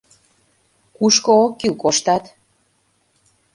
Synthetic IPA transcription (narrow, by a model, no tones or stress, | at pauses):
kuʃkookːikoʃt̪ɑt̪